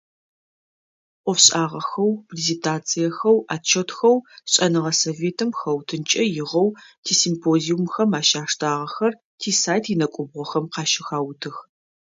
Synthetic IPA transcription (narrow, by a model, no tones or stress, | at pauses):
ʔʷʼɔfɕʼaːʁɐxɐwpʰrizentʰaːt͡sʰʼijɛxɐwaːt͡ʃʰɐtʰxɐwɕʼɐnɨʁɐsoveːtʰɨmxɐwtʰɨnt͡ʃʼɐjɪʁɐwtʰiːsimpʰoːziumxɐmaːʃaːʂtʰaːʁɐxɐr | tʰiːsaːjtʰinɐkʷʼʊbʁʷɔxɐmqɑːʃɪxaːwtʰɨx